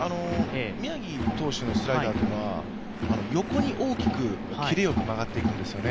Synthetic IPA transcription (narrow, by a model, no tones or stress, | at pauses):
ano̞mʲiaɡʲit̪o̞ːɕino̞sɨɾajid̪aːd̪enoβa̰ | ano̞jo̞ko̞ɲ̟iʔo̞ːkʲi̥kɯ̟ | kʲiɾejo̞kɯ̟maɡat̪ːe̞ikɯ̟̃nd̪e̞sɨjo̞ne̞